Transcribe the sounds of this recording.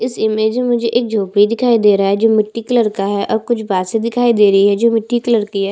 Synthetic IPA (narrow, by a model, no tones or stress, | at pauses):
ɪsɪmeːd͡ʒmemʊd͡ʒʱeʔeːk̚d͡ʒʱoːpɽid̪ɪkʰaːid̪eːɾaaɦɛd͡ʒoːmɪʈːikɪləɾkaɦɛʔɔːɾkʊt͡ʃʰbaːt̪sed̪ɪkʰaːid̪eːɾɐɦiɦɛd͡ʒoːmɪʈːikɪləɾkiɦɛ